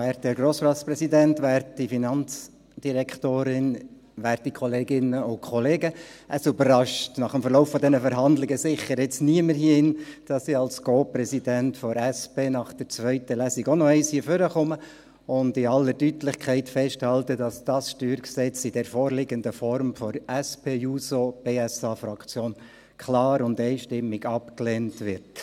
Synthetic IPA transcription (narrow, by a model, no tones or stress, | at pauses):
æːɾtdɛɾɡɾoːsɾɑspɾɛsidæntʋæɾtifinɑnt͡s | d̥iɾɛkʰtoːɾɪn | ʋæːɾt̪ikʰɔleːɡɪnəʊkʰɔleːɡəəsøbərɑʃtnɑχəmfəɾlɔʊfːɔd̪ɛnəfəɾɦɑnd̪lɪɡəsɪχːəɾɪt͡sniəməɾhiɪnd̥ɑsiɑlskʰoːpɾɛsidæntfɔɾæspeːnɑχd̥əɾt͡sʋœʏtəlæːsɪɡɔnɔɛɪshiəføɾəχɔmə | ʊndɪɑlːəɾdytlɪχkʰɛɪtfɛʃthɑltəd̥ɑsd̥ɑsʃtyːɾksɛt͡sɪd̥ɛɾfɔːɾlɪɡəndəfɔɾmfɔɾɛspeːjuːsob̥eːɛsɑːfɾɑkt͡sjoːn | kʰlɑːɾʊndɛɪʃtɪmːɪɡɑpkleːntʋɪɾt